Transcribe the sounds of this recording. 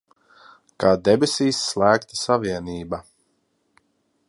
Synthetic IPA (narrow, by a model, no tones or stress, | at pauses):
kaːd̪ɛbesiːsːlˠæːkt̪isaviɛniːba